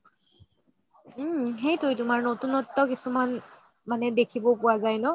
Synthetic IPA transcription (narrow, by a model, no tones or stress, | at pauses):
ɦejtojtumaɹnɔtunɔtːɔkesuman | manɛdekʰibopuazajnɔ